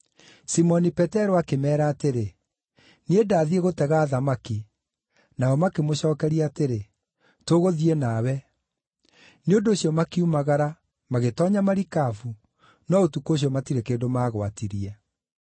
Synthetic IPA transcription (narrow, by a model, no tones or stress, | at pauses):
simɔnipɛtɛɾoakemɛːɾaːteɾe | needaːðieɣotɛɣaːðamaki | naɔmakemoɕɔːkɛɾiateɾe | toɣoðiɛnawɛ | neondoːɕiɔmakiumaɣaɾa | maɣetɔːɲamaɾikafu | nɔotukoɕ̬iɔmatiɾekeːdomaːɣwatiɾiɛ